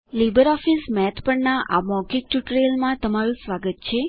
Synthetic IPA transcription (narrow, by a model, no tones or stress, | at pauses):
lebəɾɔfismɛt̪ʰpəɳnaʔa̰mɔɡik̚ʈuʈɾeəlmãt̪əmaɾũsʋaɡət̪̚t͡ʃʰe